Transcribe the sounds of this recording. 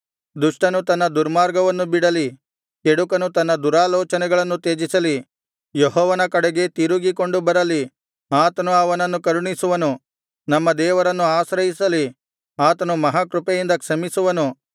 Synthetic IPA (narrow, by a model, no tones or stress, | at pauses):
d̪uʂʈɐnut̪ɐnːɐd̪uɾmaːɾɡɐʋɐnːubiɽɐli | keɽukɐnut̪ɐnːɐd̪uɾaːlɔːt͡ʃɐnɛɡɐɭɐnːut̪eːd͡ʒisɐli | jeɦɔːʋɐnɐkɐɽɛɡe̞t̪iɾuɡiko̞ɳɖubɐɾɐli | aːt̪ɐnuɐʋɐnɐnːukɐɾuɳisuʋɐnu | nɐmːɐd̪ɛːʋɐɾɐnːuaːsɾɐɦisɐli | aːt̪ɐnumɐɦaːkɾupejind̪ɐkʂɐmisuʋɐnu